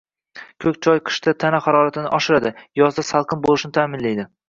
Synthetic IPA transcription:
kʲʰɵkʲt͡ʃʰɒjqʰɨ̥ʃt̪ʰat̪ʰanaχaɾɒɾat̪ʰɪnɪʔɒʃɪɾad̪ɪjɒzd̪asalˠqʰɨnbolˠɪʃnɪt̪ʰaːmɪnlajd̪ɪ

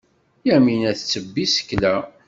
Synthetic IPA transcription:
jæminæθt͡sːəbːisə̥kːlæ

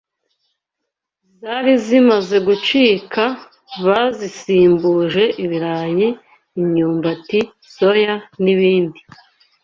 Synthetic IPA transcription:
zaɾizimaze̞ɡut͡ʃiːkʰa | βazisiːmbuʒe̞ʔiβiɾaɲiː | ɲɲuːmbati | so̞janiβiːndi

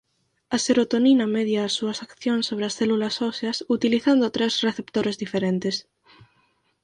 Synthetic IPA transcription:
ɐseɾot̪oninɐmɛðjaːsːuɐsakθjonsːoβɾɪɐsθɛlulɐsɔseɐsut̪iliθand̪ot̪ɾesreθept̪oɾezðifeɾent̪es

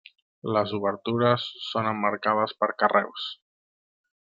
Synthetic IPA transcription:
ləzuβəɾt̪uɾəsːonəmːəɾkaðəspəɾkərɛ̰ws

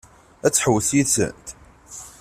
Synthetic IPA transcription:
æt͡sːħəwəθjisə̰nt̪

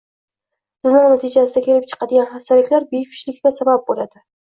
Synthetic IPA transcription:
sɪznaŋnat̪ʰɪd͡ʒasɪd̪akʲʰe̞lɪp̚t͡ʃʰɨ̥qɑd̪ɪɡʲanχast̪alɪkʲlaɾbepʰɪ̥ʃlɪkːʲasabap̚bolad̪̥ɪ

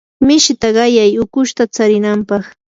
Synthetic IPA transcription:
mɪʃɪt̪aɢɑjajʊkʊʃt̪at͡saɾɪnampɑχ

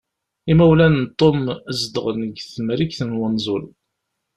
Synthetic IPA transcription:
imæwlænt̪ˤːomzd̪əʁnəɡθmɾikθənwənzˤʊl

